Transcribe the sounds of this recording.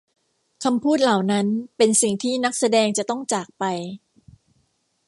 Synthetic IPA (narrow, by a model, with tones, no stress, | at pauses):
kʰa˧mpʰuː˥˩t̪̚la˨˩wna˦˥npe˧nsi˨˩ŋt̪ʰiː˥˩na˦˥k̚sa˧dɛː˧ŋt͡ɕa˨˩t̪ɔ˥˩ŋt͡ɕaː˨˩k̚pa˧j